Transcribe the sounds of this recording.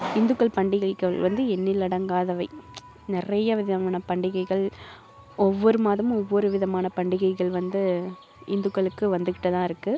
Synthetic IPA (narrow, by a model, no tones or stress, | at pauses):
ɪnd̪ɯkːɐɭpɐɳɖɪɣɐɪkːɐɭʋɐnd̪ɯɛnːɪlːɐɽɐŋɡaːðɐʋɐɪ | nɪrɐjɐʋɪðɐmaːnɐpɐɳɖɪɣɐɪɣɐɭ | ɔʋːɔɾɯmaːðɐmɔʋːɔɾɯʋɪðɐmaːnɐpɐɳɖɪɣɐɪɣɐɭʋɐnd̪ɯ | ɪnd̪ɯkːɐɭɯkːɯʋɐnd̪ɯkɪʈːɐt̪ãːɪɾɯkːɯ